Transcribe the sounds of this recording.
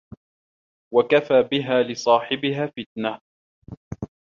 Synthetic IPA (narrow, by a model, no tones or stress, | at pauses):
wakafaːbɪɦaːlɪsˤɑːħɪbɪɦaːfɪt̪̚na